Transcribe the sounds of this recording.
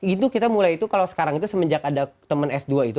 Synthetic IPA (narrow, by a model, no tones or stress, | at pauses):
it̪ukit̪amulajit̪ukalowsə̥kaɾaŋit̪usəməɲd͡ʒakadat̪əmənɛsduait̪u